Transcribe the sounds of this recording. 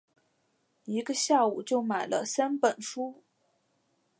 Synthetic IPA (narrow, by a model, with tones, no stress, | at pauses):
i˧˥ɡə˧ɕja˥˩u˨˩t͡ɕjo˥˩ʊma˨˩ɪlə̰˦sa˥npə˨˩nʂu˥